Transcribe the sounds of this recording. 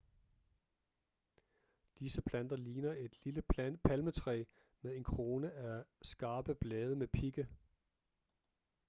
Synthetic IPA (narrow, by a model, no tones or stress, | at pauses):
d̥isəpʰlæn̰d̥ɐliːnɐe̝d̥liləpʰælmət͡sʰʁɛ̰ː | meðˠe̝nkʰʁo̝ːnəæsɡ̥ɑ̈ːb̥əb̥lɛːð̞ˠəmepʰiɡ̥ə